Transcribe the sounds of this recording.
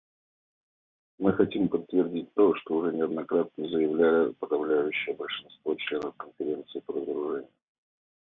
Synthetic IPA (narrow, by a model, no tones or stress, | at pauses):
mɨxɐtʲimpət̪ːvʲɪrdʲitʲt̪oʂt̪oʊʐɛnʲɪɐd̪nɐkɾat̪̚nəzəjɪvlʲælʲɪpəd̪ɐvlʲæjʉɕːɪjəbəlʲʂɨnst̪vo̞t͡ɕlʲe̞nəfkənfʲɪɾʲe̞nt̪sɨɪpəd̪əzəɾʊʐɛnʲɪʊj